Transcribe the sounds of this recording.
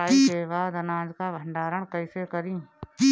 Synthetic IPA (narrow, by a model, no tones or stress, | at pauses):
aːiseːʋaːd̪ɐnaːd͡ʒkaʋəɳɖaːɾəɽ̃kɐɪsekəɾĩː